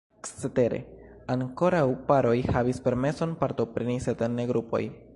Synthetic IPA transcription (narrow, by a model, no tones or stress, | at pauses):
kt͡sete̞ɾḛ | aŋko̞ɾawpaɾo̞jhavispe̞ɾme̞so̞npaɾto̞pɾeniset̪enːeɡɾupo̞̰j